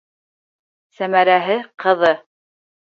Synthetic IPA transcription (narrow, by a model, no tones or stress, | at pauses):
sæmæɾæɦɘqʰɤ̆ðɤ